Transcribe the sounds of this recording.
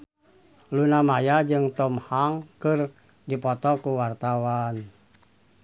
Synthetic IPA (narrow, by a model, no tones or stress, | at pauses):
lunamajad͡ʒɨŋt̪ɔmhaŋkɨr | dipɔt̪ɔkuwart̪awan